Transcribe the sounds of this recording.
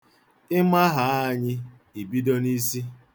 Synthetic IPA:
ɪ˦ma˦ɦa˨˦˨ɲɪ˦ | i˨bi˦do˦ni˦si˦

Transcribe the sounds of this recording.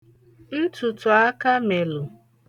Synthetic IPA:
i˦tʊ˨tʊ˨a˦ka˦me˨lʊ˨

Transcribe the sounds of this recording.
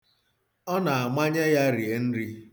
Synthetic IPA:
ɔ˦na˨a˨ma˦ɲe˦ja˦ɾi˨e˨n̩˦ɾi˦

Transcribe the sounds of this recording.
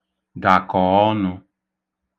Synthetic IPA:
da˨kɔ˨ɔ˦nʊ˧

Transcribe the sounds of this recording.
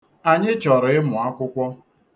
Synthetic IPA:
a˨ɲɪ˦t͡ʃɔ˨ɾɪ˦mʊ˨a˦kʷʊ˦kʷɔ˦

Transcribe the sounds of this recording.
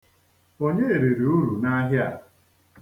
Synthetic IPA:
o˦ɲe˦e˨ɾe˨ɾe˨u˦ɾu˨na˦ɦɪ˦a̰˨

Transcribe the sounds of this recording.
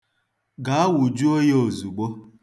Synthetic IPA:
ɡa˨˦a˦wu˨d͡ʒu˦o˦je˦o˨zu˨ɡ͡bo˦

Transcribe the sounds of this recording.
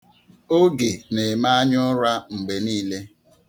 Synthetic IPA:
o˦ɡe˨ne˨ma˦a˦ɲʊ˦ɾa˦m̩˨ɡ͡be˨niː˦le˦

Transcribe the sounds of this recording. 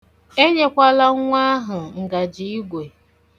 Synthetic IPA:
e˦ɲe˦kʷa˦la˦ŋʷa˦ɦʊ˨ŋ̩˨ɡa˨d͡ʒi˨i˦ɡʷe˨

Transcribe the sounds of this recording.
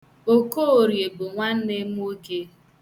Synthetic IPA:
o˦ko˦o˨ɾje˨bʊ˨ŋʷa˦n̩˦ne˦m̩˦o˦ke˦

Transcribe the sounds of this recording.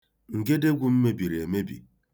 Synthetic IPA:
ŋ̩˨ɡe˦de˦ɡʷu˦m̩˦me˦bi˨ɾe˨e˨me˦bḭ˨

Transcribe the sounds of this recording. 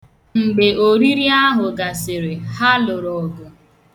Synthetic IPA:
ŋ͡m̩˨ɡ͡be˨ʔo˨ɾi˦ɾi˦a˦ɦʊ˨ɡa˨sɪ˨ɾe˨ha˦lʊ˨ɾɔ˨ɡʊ˨

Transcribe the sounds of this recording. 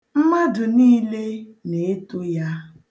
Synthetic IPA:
m̩˦ma˦dʊ˨niː˦le˦ne˨e˦tʊ˦ja˦

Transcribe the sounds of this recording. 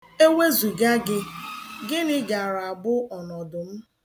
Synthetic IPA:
e˦we˦zu˨ɡa˦ɡɪ˦ɡɪ˦nɪ˦ɡa˨ɾa˨a˨bʊ˦ɔ˨nɔ˨dʊ˨m̩˦

